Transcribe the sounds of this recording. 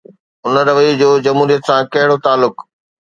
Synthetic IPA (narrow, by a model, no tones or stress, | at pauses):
ʊnəɾɐʋəjd͡ʑoːd͡ʑɐmɦuːɾijət̪sãkɐɦɪɽot̪aːlːʊk